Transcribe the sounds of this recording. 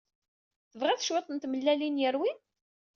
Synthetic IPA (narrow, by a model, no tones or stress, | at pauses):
θəvʁæθʃwɪt̪ˤənt̪məlːælinjəɾwin